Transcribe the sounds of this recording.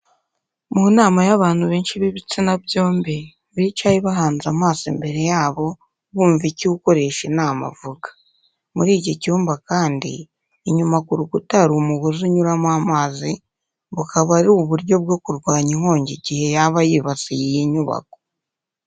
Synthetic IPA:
munaːmajaβaːnhuβeːnʃiβiβit͡sinabjo̞ːmbe | βiit͡ʃajiβaɦaːnzamaːsḭmbe̞ɾe̞jaːβo̞ | βuːɱviciuko̞ɾe̞ʃenaːma̰vuɡḁ | muɾiːɟocuːmbakaːndḭː | ɲumakuɾuɡutaɾumuɡoziɲuɾamwaːmaːzi | βukaβaɾuuβuɾjo̞bɡo̞kuɾɡwaːɲiŋ̥ho̞ːɲɟiɟihe̞jaβajiβat͡sijijiɲuβa̰k̚o̥

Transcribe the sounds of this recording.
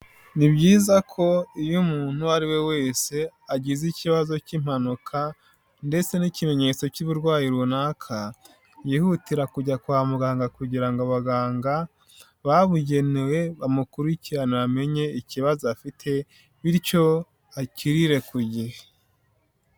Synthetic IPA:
nibɟiːzakʰo̞ijumuːn̥huaɾiwe̞we̞ːse̞aɟiziciβazo̞cim̥hanukʰa | nde̞t͡se̞nicime̞ɲe̞t͡so̞cuβuɾɡwaːjiɾunaːkʰa | jiːhutiɾakuɟakuamuɡaːŋɡakuɟiɾaŋɡaβaɡaːŋɡa | βaβuɟe̞newe̞βamukuɾiciɾaniβame̞ɲe̞iciβazoafitʰe̞ | βiɾco̞ | aciɾiɾe̞kuɟihe

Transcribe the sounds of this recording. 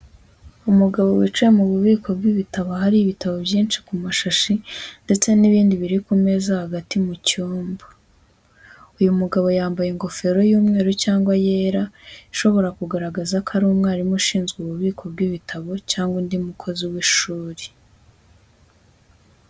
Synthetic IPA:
umuɡaβo̞wit͡ʃujemuβuβiːkʰo̞b̚ɡiβitaβohaɾiβitaβo̞bjiːnt͡ʃi̥kumaʃaʃinde̞t͡se̞niβiːndiβiɾikume̞zahaɡatimucuːmbḁ | ujumuɡaβo̞jaːmbajeŋɡo̞fe̞ɾo̞juːmŋe̞ːɾocaːŋɡwaje̞ːɾaiʃo̞βo̞ɾakuɡaɾaɡazakʰaɾuːmŋaːɾimuʃiːnzɡuβuβiːkʰo̞bɡiβitʰaβo̞caːŋɡundimukʰo̞ziwiʃuːɾi̥

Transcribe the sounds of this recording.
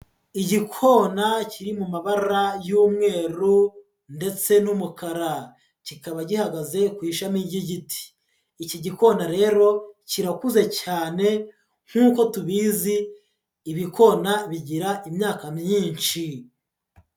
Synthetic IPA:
iɟikʰo̞ːnaciɾimumaβaɾajuːmŋe̞ːɾu | nde̞t͡se̞numukaɾa | cikaβaɟihaɡaze̞kwiːʃamiɟiɟiti̥ː | ciɟiko̞naɾe̞ːɾo̞ciɾakuze̞caːne̞ | ŋ̥huːko̞tuβiziː | βiko̞naβiɟiɾaʔimɲaːkamɲiːnt͡ʃi

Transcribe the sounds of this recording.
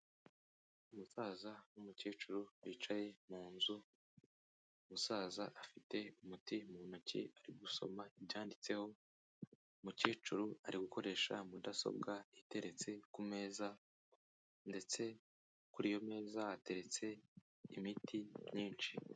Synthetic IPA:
umusaːzanumuceːt͡ʃuɾuβiːt͡ʃaje̞muːnzu | umusaːzaʔafite̞umutimunucḭaɾiɡuso̞̰maibɟaːndit͡se̞ho̞ | muceːt͡ʃuɾuaɾiɡuko̞ɾe̞ʃamudaso̰bɡaite̞ɾe̞t͡se̞kume̞ːza | nde̞t͡se̞ | kuɾijo̞me̞ːzaate̞ɾe̞t͡se̞ː | mitʰiɲiːnt͡ʃi

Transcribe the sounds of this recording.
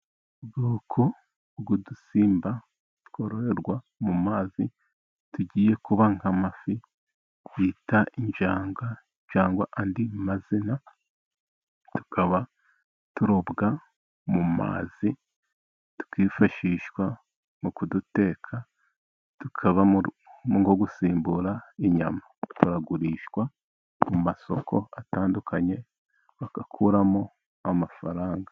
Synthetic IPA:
ɡuːkʰo | ɡudusiːmba | tu̥kʰoɾoɾeɾɡwa | mumaːzi | tuɟiːje̞kuβaŋhamafi | jitaʔiɲd͡ʒaːŋɡa | ɲd͡ʒaːŋɡwa̰ʔandimazina | tu̥kʰaβa | tuɾobɡa | muma̰ːzi | tu̥kiːfaʃiːʃwa | mukudute̞ːkʰa | tukʰaβa | muŋɡoɡusiːmbuɾaiɲa̰matuɾaɡuɾiːʃwa | mumaso̞̰kʰo̞̰ataːndukʰaɲe̞ | βakakʰuːɾamo | amafaɾaːŋɡḁ

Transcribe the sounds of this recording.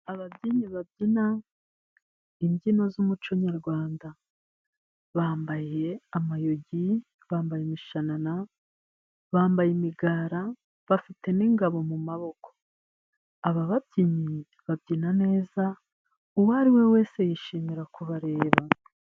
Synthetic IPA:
aβabɟiɲiβabɟina | imɟino̞zumut͡ʃo̞ɲaɾɡwaːnda | βaːmbaje̞amajo̞ɟi | βaːmbajemiʃanana | βaːmbajimiɡaːɾa | βafite̞niːŋɡaβo̞mumaβo̞kʰo̥ː | βaβabɟiɲi | βabɟinane̞ːza | uwaɾiwe̞we̞ːse̞jiʃiːmiɾakuβaɾe̞ːβa

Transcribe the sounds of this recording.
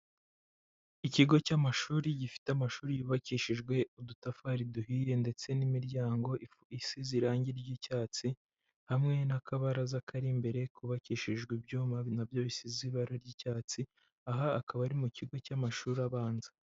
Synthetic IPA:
iciɡo̞camaʃuːɾiɟifi̥teamaʃuːɾijuːβaciʃiʒɡwe̞udutafaɾiduhiːje̞nde̞t͡se̞nimiɾɟaːŋɡo̞i | isiziɾaːɲɟiɾɟicaːt͡si | hamŋe̞nakʰaβaɾazakʰaɾimbe̞ɾe̞kuβakiːʃiʒɡwibjuːmanabjo̞βisiziβaɾaɾɟiːcaːt͡si | aɦaːkʰaβaɾimuciɡo̞camaʃuːɾaβaːnzḁ

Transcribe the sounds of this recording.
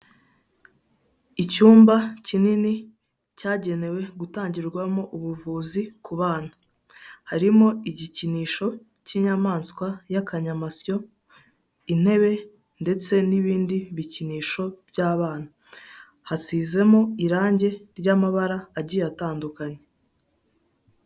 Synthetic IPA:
icuːmbacinini | caːɟe̞ne̞we̞ɡutaːɲɟiɾɡwamo̞ʔuβuvuːzikuβaːnḁ | haɾimo̞iɟiciniːʃo̞ | ciɲamaːnskwajakaɲamasjo̞ | in̥he̞βe̞ | nde̞t͡se̞niβiːndiβiciniːʃo̞bjaːβaːn̥a | hasiːze̞mo̞iɾaːɲɟe̞ɾɟamaβaɾaːɟijataːndukaɲe̞

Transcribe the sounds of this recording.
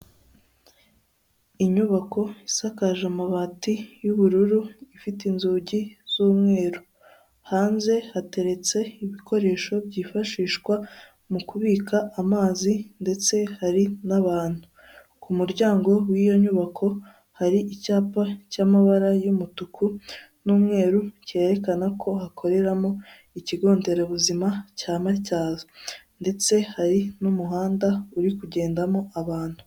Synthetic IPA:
iɲuβako̞isakaʒamaβatijuβuɾuɾuifitinzuːɟiz̥uːmŋe̞ːɾo | haːnze̞hate̞ɾe̞t͡se̞iβiko̞ɾe̞ːʃo̞bɟiːfaʃiːʃkwa | mukuβiːkaʔːmaːzinde̞t͡se̞haɾinaβaːn̥hu | kumuɾɟaːŋɡo̞wijo̞ɲuːβakʰo̞ | haɾiʔicaːpacamaβaɾajumutukʰu | nuːmŋe̞ːɾuce̞ɾe̞kanakʰo̞hakʰo̞ɾe̞ɾamo̞ | iciɡo̞ːnde̞ɾeβuzimacaːmacaːzonde̞t͡se̞haɾinumuɦaːndauɾikuɟe̞ːndamo̞ʔaβaːn̥hu

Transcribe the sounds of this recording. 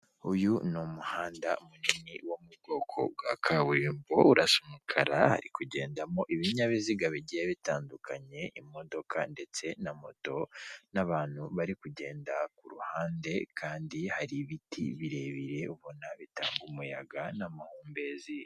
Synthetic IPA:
ujunomuhaːndamuniniwomubɡo̞kʰo̞̰ɡwakʰaβuɾimbouɾasomukʰaɾaha̰ɾikuɟe̞ːndamo̞ʔiβiɲaβiziɡaβiɟijeβitaːndukʰaɲe̞imo̞do̞kʰa̰nde̞t͡se̞namo̞to̞naβaːn̥huβaɾikuɟe̞ːndakuɾuhaːnde̞kʰaːndihaɾiβitʰḭβiɾe̞βiɾe̞uβo̞naβita̰ːŋɡumujaɡanamahuːmbe̞zi

